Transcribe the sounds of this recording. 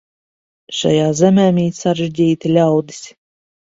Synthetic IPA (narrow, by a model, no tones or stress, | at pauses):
ʃa̰jaːzʲɛmʲæːmʲiːsaɾeʒdʲiːt̪ilʲawd̪i̥sʲ